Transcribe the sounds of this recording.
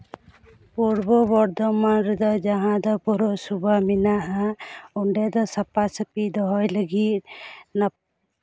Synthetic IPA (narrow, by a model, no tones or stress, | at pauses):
puɾbɔbɔɾd̪ɔmanɾɛd̪ɔd͡ʒaɦãd̪ɔpuɾɔsubaminaʔaɔɳɖɛd̪ɔsapasəpid̪ɔɦɔjləɡit̪̚na